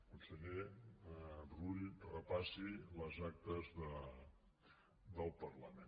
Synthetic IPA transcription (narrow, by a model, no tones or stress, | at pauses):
unsəʎe | bruʎrəpasiləzak̚t̪əzðə | d̪əlˠpərləmen